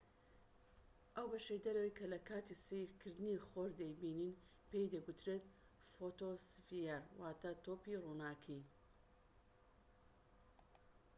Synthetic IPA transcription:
ʔɐwbɐʃejd̪ɐɾɐwɐjkʰɐlɐkʰaːt̪isekʰɨɾd̪ɨniχoɾd̪ɐjbiːnin | pejd̪ɐɡut̪ɾet̪ | fot̪osvijaɾwaːt̪at̪oːpirunaːkʰi

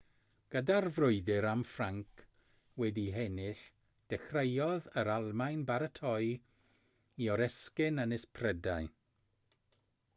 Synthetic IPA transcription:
ɡ̥ədarvrʊɨdɪɾamfraŋkʰ | wɛdiɦɛnɪɬ | d̥ɛχrejɔðəɾalˠmajnbaɾətʰɔj | iɔɾɛskɪnənɪspʰrɛdaj

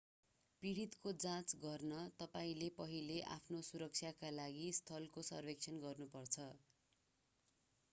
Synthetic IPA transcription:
piɽit̪kod͡zãt͡sɡʌrnʌt̪ʌpaĩlepʌɦileʔa̰pʰnosuɾʌk̚t͡sʰjakalaɡist̪ʰʌlkosʌ̰rbek̚t͡sʰjʌnɡʌrnupʌrt͡sʰʌ

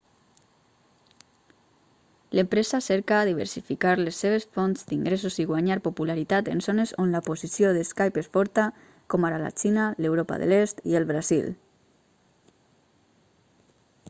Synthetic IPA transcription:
ləmpɾezaseɾkaːðiβ̞ə̰ɾsifikaɾlesːeβ̞esfonzd̪iŋɡɾes̬uziɣwaɲaɾpopulaɾit̪at̪ḛnzonezonlapozisjoðeskajpesfɔɾt̪a | komaɾala̰t͡ʃinalewɾopa̰ðə̰lest̪ielβɾazḭl

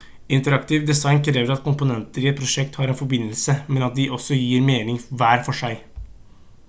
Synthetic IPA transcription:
ɪnt̪əɾɑkt̪ɪʋd̪ɛsɑɪnkʰɾeːʋəɾɑt̪̚kʰʊmpʊnɛnt̪əɾɪːɛt̪̚pʰɾʊʂɛkt̪hɑːɾɛnfɔbɪnːəlsəmɛnɑt̪̚d̪ɪʔɔsːɔjiːɾmeːnɪŋʋæːɾfɔʂæɪ

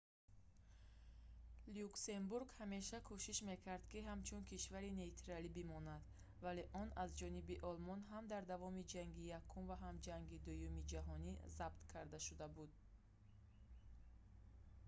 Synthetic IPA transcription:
liukse̞mbuɾɡhame̞ʃakʰuʃiʃme̞kʰaɾd̪kiɦamt͡ʃʰunkʰiʃvaɾine̞it̪ʰɾalibimɔnad̪ | vale̞ʔɔnazd͡ʒɔnibiʔɔlmɔnɦamd̪aɾd̪avɔmid͡ʒaŋɡijakʰːumvaɦamd͡ʒaŋɡid̪ujumid͡ʒaɦɔnizabt̪kʰaɾd̪aʃud̪abud̪

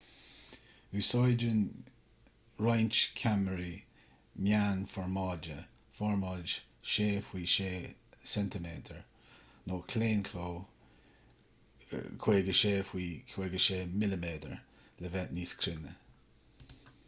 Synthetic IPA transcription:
ʉːsɔjd͡ʒən | ɹajnt͡ʃkʰaməɹi | mjaːnfɔɹmɑːd͡ʒə | fɔɹmɑːd͡ʒ | ʃeːfwiːʃeːsɛntəmeːdʰəɹ | noːkʰleːnkʰloː | kʰw̥eːɡəʃeːfwiːkʰweːɡəʃeːmɪləmeːdəɹ | ləvɛtniːskʰɾɪnə

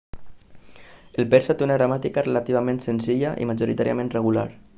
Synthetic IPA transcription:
əlpeɾsat̪eunaɣɾamat̪ikarelat̪iβamẽnsenziʎaʔḭmaʒuɾit̪aɾiamẽnreɣula̰ɾ

